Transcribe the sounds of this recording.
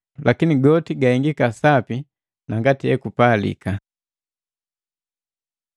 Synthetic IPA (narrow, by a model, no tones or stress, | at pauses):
lʔakiniɡɔtiɡahiŋɡikasapi | naŋɡatijɛkupalḭka